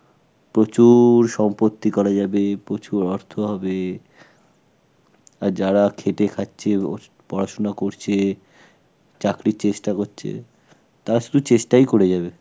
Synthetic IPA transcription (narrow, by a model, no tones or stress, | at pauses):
pɾot͡ɕuɾʃɔmpot̪ːikɔɾad͡ʑabepɾot͡ɕuɾɔɾt̪ʰoɦɔbe | aɾd͡ʑaɾakʰeʈekʰatːɕʰe | pɔɾaʃonakoɾt͡ɕʰe | t͡ɕakɾiɾt͡ɕeʃʈakoɾɕʰḛ | t̪aɾaʃud̪ʱut͡ɕeʃʈajkoɾed͡ʑabe